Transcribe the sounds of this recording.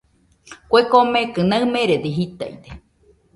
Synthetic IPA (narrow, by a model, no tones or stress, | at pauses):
kʷekomẽkɨnaɨmẽɾed̪iɦit̪a̰ḭd̪e